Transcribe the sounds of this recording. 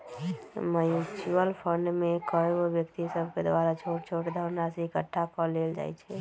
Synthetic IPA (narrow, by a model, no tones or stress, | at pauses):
mət͡ʃuəlpʰəɳɖmekəeobjəkt̪isəbʱked̪aɾat͡ʃʰoʈ̚t͡ʃʰoʈd̪ʱəɾnaseikəʈʰːakɔleld͡ʒa̰jt͡ʃʰɛ